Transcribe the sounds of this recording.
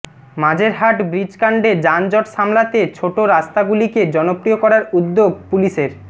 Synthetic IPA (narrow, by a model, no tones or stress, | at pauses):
mad͡ʑʱeɾɦaʈbɾid͡ʑkaɳɖed͡ʑand͡ʑɔʈʃamlat̪et͡ɕʰoʈoɾast̪aɡuliked͡ʑɔnopɾijokɔɾaɾud̪ːoɡpuliʃeɾ